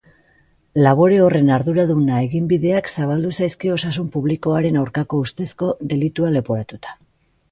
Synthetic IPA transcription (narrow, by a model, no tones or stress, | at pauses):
laβ̞o̞ɾe̞o̞re̞naɾðuɾaðunae̞ɣimbiðe̞aksaβ̞ald̪usajskio̞sasumpuβliko̞aɾe̞nawɾkako̞ust̪e̞sko̞ðe̞lit̪uale̞poɾat̪ut̪ḁ